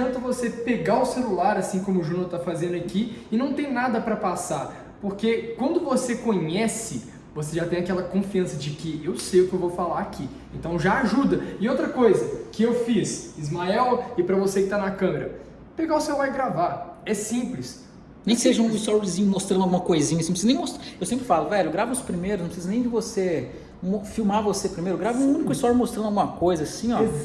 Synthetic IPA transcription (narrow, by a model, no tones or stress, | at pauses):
ɐ̃nt̪ɐvosepeɡaʊselulaɾasĩkõmʊʒũnoɾt̪afazẽnd̪ʊakiɪnɐ̃w̃t̪ẽj̃nad̪ɐpɾɐpasa | poɾkekwɐ̃nd̪ʊvosekõɲɛsɪ | voseʒat̪ẽj̃akɛlɐkõfiɐ̃sɐd͡ʒɪkɪewsejʊkɪewvowfalaakʰi | ẽnt̪ɐ̃w̃ʒaaʒud̪ɐɪowt̪ɾɐkojzɐkɪewfisizmaɛwɪpɾɐvosekɪt̪anɐkɐ̃meɾɐ | peɡaʊsewvajɡɾavaɛsĩplɪs | nẽj̃kɪ̥seʒɐũɪst̪ɔɾɪzĩɲʊmost̪ɾɐ̃nd̪awɡũmɐkojzĩɲɐsĩpsiznẽj̃most̪ewsẽmpɾɪfalʊvɛʎʊɡɾavʊʊspɾimejɾʊznɐ̃pɪsizɐnẽj̃d͡ʒɪvose | mofiwmaɾvosepɾimejɾʊɡɾavũũnikʊɪst̪ɔɾmost̪ɾɐ̃d̪awɡũmɐkojzɐasĩɔ